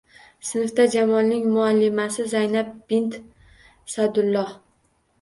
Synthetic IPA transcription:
sɪnɪfd̪ad͡ʒamɒlnɪŋmʊalːɪmasɪzajnap̚b̥ɪnt̪ | sad̪ʊlˠːɒh

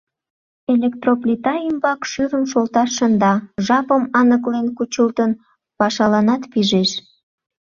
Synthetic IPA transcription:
elʲekt̪roplʲit̪ɑimbɑkʃyɾəmʃolt̪ɑʃənd̪ɑʒɑpəmɑnəklenkut͡ɕəlt̪ən | pɑʃɑlɑnɑt̪piʒeʃ

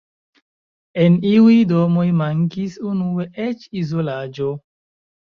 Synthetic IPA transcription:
eniujdomojmaŋkisunueʔet͡ʃizolad͡ʒo

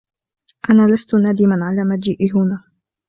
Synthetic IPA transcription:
ʔanaːlast̪ʊnaːd̪ɪmanʕalaːmad͡ʒiːʔiɦʊnaː

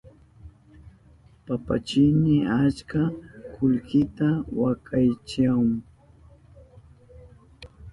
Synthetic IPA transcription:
papa̰t͡ʃɪnɪat͡ʃkakʊʎkɪt̪awakajt͡ʃaŋ

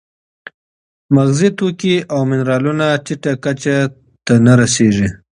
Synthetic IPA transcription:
maɣzit̪okiawmɪnɾɑlunat͡ʃɪʈakat͡ʃa | t̪anaɾaseʐi

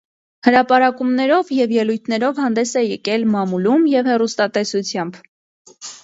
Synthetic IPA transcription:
həɾɑpɑɾɑkumnɛɾɔvjɛvjɛlujt̪ʰnɛɾɔvhɑnd̪ɛsɛjɛkɛlmɑmulumjɛvhɛrust̪ɑt̪ɛsut͡sʰjɑmb

